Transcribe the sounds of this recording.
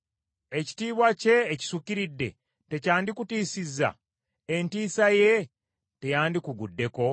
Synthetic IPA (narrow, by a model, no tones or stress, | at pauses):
e̞ci̥tiːβwace̞ːci̥sukiɾidːe̞̰ | te̞caːndikutiːsizːa̰ | entiːsaje̞ | te̞jaːndikuɡudːe̞ko̞